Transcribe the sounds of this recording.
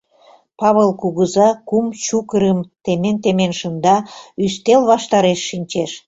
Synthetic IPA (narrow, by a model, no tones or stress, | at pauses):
pɑβəlkuɣəzɑkumt͡ɕukəɾəmt̪ement̪emenʃənd̪ɑyst̪elβɑʃt̪ɑɾeʃːinʲt͡ɕeʃ